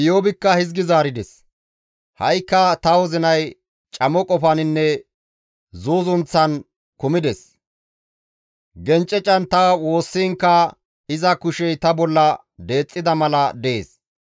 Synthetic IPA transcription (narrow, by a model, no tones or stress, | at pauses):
joːbɪkːɐhɪzɡɪzaːɾɪd̪ɛs | hɐjkːɐt̪ɐwɔzɪnɐj | t͡ʃʼɐmɔkʼɔfɐnɪnːɛ | zuːzʊnt͡sːɐn | kʊmɪd̪ɛs | ɡɛnt͡ʃʼːɛt͡ʃʼːɐnt̪ɐwo̞ːsːiːŋkːɐ | ɪzɐkʊʃɛjt̪ɐbɔlːɐ | d̪e̞ːt͡sʼːɪd̪ɐmɐlɐd̪ɛḛːs